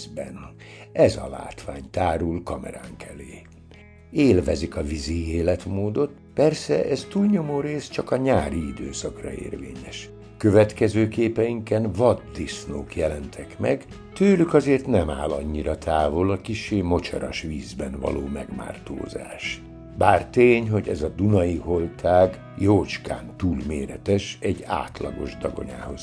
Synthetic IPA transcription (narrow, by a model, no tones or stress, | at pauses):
bɛn | ɛzɒ̰la̰ːt̪ʋaːɲt̪aːɾulkɒmɛ̰ɾaːŋkʰɛleː | eːlvɛzikɒvizieːlɛt̪moːd̪o̞t̪ | pɛrsɛʔɛzt̪uːlɲo̞moːɾeːst͡ʃɒkɒɲaːɾiid̪øːsɒkrɒ̰ḛːrvḛːɲɛʃ | køvɛt̪kɛzøːkeːpɛjiŋkɛnvɒd̪ːisnoːkjɛlɛnt̪ʰɛkmɛ̰ɡ | t̪øːlykɒzeːrt̪nɛma̰ːlɒ̰ɲːiɾɒt̪ʰaːvolɒkiʃːeːmo̞t͡ʃɒɾɒʃʋiːzbɛnvɒ̰loːmɛɡma̰ːrt̪o̰ːza̰ːʃ | baːrt̪eːɲɦo̞ɟɛzɒd̪unɒjiɦo̞lt̪ʰaːɡ | joːt͡ʃka̰ːnt̪uːlmeːɾɛt̪ɛʃɛɟːa̰ːt̪lɒ̰ɡo̞ʒd̪ɒɡo̞̰ɲa̰ːho̞z̥